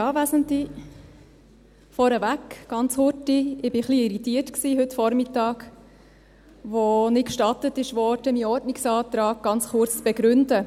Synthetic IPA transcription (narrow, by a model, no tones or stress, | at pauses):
jɑːʋæzəntli | fɔɾəvækɡ̥ɑnt͡shʊtiɪb̥ɪχliɪɾitiːəɾtksiːɦɵtfɔɾmɪtɑːɡ | ʋonɪkʃtɑtətɪʃʋoɔɔtəmiɔɾtnɪksɑːt̪ɾɑːɡ̚ɡ̥ɑnt͡sχʊɾt͡st͡sb̥ɛɡɾʉndə